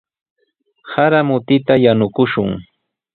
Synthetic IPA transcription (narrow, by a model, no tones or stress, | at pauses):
haɾamʊt̪ɪt̪ajanʊkʊʃʊŋ